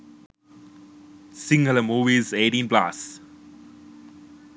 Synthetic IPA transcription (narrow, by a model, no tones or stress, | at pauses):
sɪ̃ŋɡələmuːʋizeːʈĩnpla̰s